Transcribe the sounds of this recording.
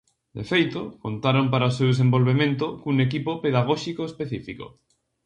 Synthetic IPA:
d̪ḛfejt̪ʊkont̪aɾompaɾaosewðes̬ẽmbolβemẽnt̪ʊkuŋek̬ipopeðaɣ̞ɔʃikoespeθifiko̰

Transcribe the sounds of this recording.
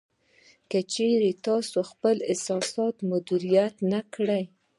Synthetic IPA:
kat͡ʃeɾet̪ɑsoxpəlɪsɑsɑt̪mʊd̪iɾijat̪nakɽaj

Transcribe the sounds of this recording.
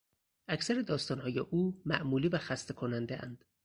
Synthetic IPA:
ʔæcʰsæɾed̪ɒːst̪ɒːnhɒːjeʔuːmæʔmuːliːvæxæst̪ekʰonænd̪eʔæ̰nd̪̥

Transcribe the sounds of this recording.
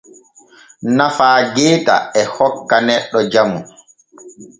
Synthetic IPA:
nafaːɡɛːta̰ɛhɔkːanɛɗːɔd͡ʒamu

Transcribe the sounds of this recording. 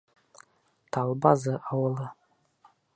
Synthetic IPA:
t̪ʰɑlˠbɑzɤʔɑwɤlˠɤ

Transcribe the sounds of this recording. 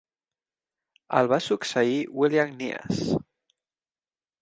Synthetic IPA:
ə̰lβasuksəiwiljaŋnia̰s

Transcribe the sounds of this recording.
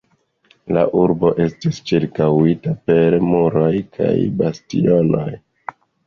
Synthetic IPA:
la̰ʔuɾbo̞ʔe̞stist͡ʃiɾkawitape̞ɾmuɾo̞jkʰa̰jbastḭo̞no̞̰j

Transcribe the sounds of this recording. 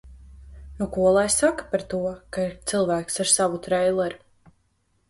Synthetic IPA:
nukuɔlˠajsakḁpaɾt̪uɔkaiɾt̪sɨlˠvæːksaɾsavut̪ɾɛjlˠɛɾu

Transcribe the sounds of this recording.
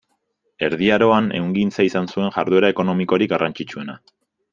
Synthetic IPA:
e̞ɾðiaɾo̞anḛuŋɡint͡saisansue̞ŋʝaɾðue̞ɾae̞ko̞no̞miko̞ɾikɡarant͡ʃit͡ʃue̞na

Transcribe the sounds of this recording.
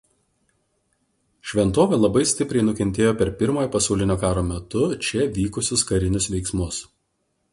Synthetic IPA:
ʃʲʋʲɛnt̪oːʋʲeːlˠɐbɐɪsʲt̪ʲɪpʲɾʲɛɪnʊkʲɛnʲt̪ʲeːjoːpʲɛɾpʲɪɾmoːjoːpɐsɐʊlʲɪnʲoːkɑːɾoːmʲɛt̪ʊt͡ʃʲɛʋʲiːkʊsʲʊskɐɾʲɪnʲʊsʋʲɛɪksmʊs

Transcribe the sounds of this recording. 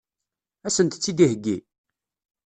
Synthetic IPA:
æsənt̪t͡sːid̪ihəɡːi

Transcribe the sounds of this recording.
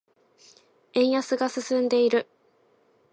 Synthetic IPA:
ẽ̞ɰ̃jasɨɡasɨsɨ̃nd̪e̞iɾɯ̟

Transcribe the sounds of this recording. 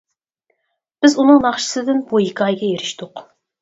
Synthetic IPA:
b̥ɪzunɨŋnɑχʃə̥sɨd̪ɪnbojikɑjɡʲɛjeɾɪʃt̪ʊq

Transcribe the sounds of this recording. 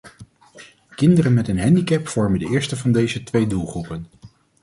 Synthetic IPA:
kɪndərənmɛtənɦɛndikɛpfɔɹməndəɪːɹstəvɑndejzətʋejdulˠχrupən

